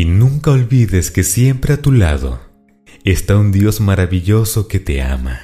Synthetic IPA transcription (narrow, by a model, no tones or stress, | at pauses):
inũŋkao̞lβiðeske̞sje̞mpɾe̞at̪ula̰ðo̞̰ | est̪aund̪jo̞zmaɾaβiʝo̞so̞ke̞t̪e̞̰a̰ma